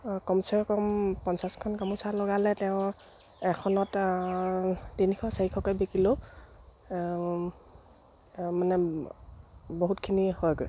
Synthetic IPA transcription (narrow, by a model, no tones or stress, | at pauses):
kɔmusaɹkɔmpɔnsaskʰɔnkɔmusalɔɡalɛtɛʊ̃ | ɛkʰɔnɔt | dinikʰɔsaikʰɔkɔjbekilo | manɛ | boɦutkʰinihɔjɡɔ̰j